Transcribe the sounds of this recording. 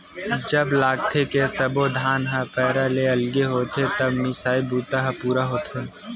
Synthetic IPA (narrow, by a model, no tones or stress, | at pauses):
d͡ʒɐblaːɡt̪ʰekesɐbod̪ʱaːnɦapɛːɾaleɐlɡeɦoːt̪ʰet̪ɐbmɪsaːibuːt̪aɦapuːɾaɦoːt̪ʰeː